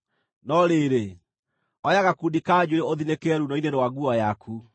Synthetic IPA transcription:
nɔɾeːɾe | ɔjaɣakudikad͡ʑweoðinekɛɾunɔinenwaɣuɔjakʰu

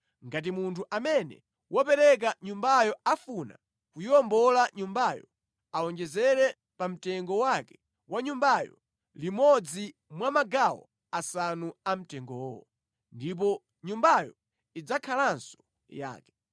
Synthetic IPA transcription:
ŋɡat̬imuntʰuʔamɛnɛ̰ | wɔpɛɾɛk̬aɲumbajɔafuna̰ | kujiɔmbɔlaɲumbajɔ | alɔnd͡ʒɛzɛɾɛ | pam̩tɛŋɡɔwakɛ̥ | waɲumbajɔ̰ | limɔd͡zi | mwamaɡawɔ̰ | asanuam̩tɛŋɡɔwɔ̰ | ndip̬ɔ | ɲumbajɔ̰ | id͡zakʰalansɔ̥ | ja̰ːkɛ̥

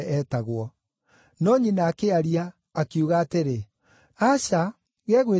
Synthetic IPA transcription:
ɛtaɣwɔ | nɔɲinaːkeaɾiaː | keuɣaːteɾe | aɕa | ɣɛːɣwe

